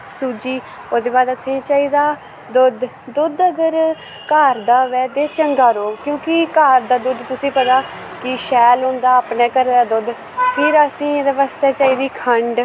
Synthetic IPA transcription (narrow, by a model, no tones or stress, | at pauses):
suːd͡ʒiː | oːd̪eːbaːd̪əsĩːt͡ʃaːiːd̪aː | d̪ʊd̪ː | ʊd̪əɡəɾ | kaːɾd̪aːʋɛːd̪eːt͡ʃəŋɡaːɾoːkjõːkɪkaːɾd̪aːd̪ʊd̪t̪ʊsĩːpət̪aː | kɪʃɛːlɦʊ̃nd̪aːəpnɛ̃ːkəɾd̪aːd̪ʊd̪ | pʰɪɾəsĩːed̪eʋəst̪ɛːt͡ʃaːiːd̪iːkʰəɳɖ